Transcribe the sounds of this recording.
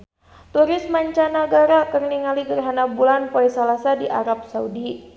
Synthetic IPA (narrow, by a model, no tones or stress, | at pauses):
t̪uɾɪsmaɲt͡ʃanaɡaɾakərniŋaliɡərɦanabulanpoisalasadiʔa̰ɾap̚saudi